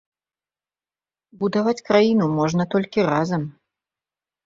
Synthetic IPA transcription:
bud̪avat͡sʲkɾajinumɔʐnɐt̪ɔlʲkʲiɾazɐm

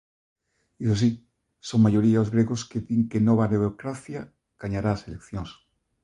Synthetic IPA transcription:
isos̬i | soŋmaʝo̞ɾiaozɣɾeɣoskeðiŋkenoβaneβɾokɾaθja | ɡ̥aɲaɾaselekθjoŋs

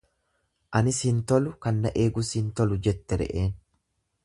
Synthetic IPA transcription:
ʔɐnɪsint̪ɔlʊkɐnːɐʔe̞ːɡʊsint̪ɔlʊd͡ʒɛt̪ːɛɾɛ̰ʔe̞ːn

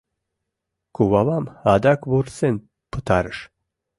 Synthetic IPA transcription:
kʰuvavamhad̪akʰvuɾsen | pʰət̪ʰaɾəʃ

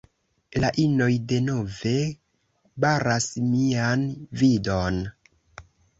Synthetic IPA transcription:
laʔino̞jde̞no̞ve̞ | baɾasmianvidon

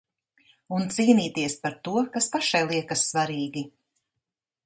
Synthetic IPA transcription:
unt̪siːniːt̪iɛspaɾt̪uɔkaspaʃajlˠiɛkasːvaɾiːɡʲi

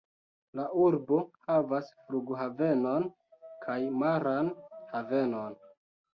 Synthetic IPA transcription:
laʔuɾbo̞havasfluɡɦave̞no̞n | kʰajmaɾanhave̞no̞n

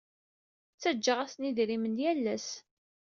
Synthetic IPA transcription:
t͡sːæd͡ʒːəʁæsniðɾimənjælːæs

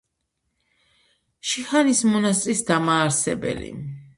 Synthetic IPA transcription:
ʃiχanismɔnast̪ʼɾisd̪amaːɾsɛ̰bɛ̰lḭ

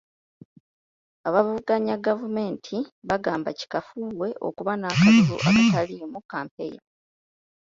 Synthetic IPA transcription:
aβavuɡaɲaɡavume̞ːntʰiβaɡaːmbaci̥kafuβwe̞ʔo̞̰kuβanaːkatuɾṵʔa̰katalimukːaːmpe̞ḭɾa

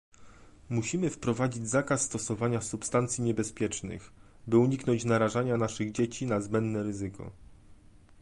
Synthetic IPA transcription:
muɕimɘfpɾɔvad͡ʑid͡ʑzakasːt̪ɔsɔvaɲasupst̪ant̪sʲjiɲɛbɛspʲjɛt͡ʂnɘ̰x | bɘuɲiknɔɲt͡ɕnaɾaʐaɲanaʂɘɣd͡ʑet͡ɕinazbɛnd̪nɛɾɘzɘkɔ̰

